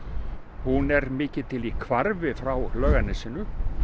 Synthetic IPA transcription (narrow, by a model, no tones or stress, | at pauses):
hunɛɾmɪːcɪt̪ʰɪlikʰvaɾvɪfɾawlœːɣanɪsɪːnʏ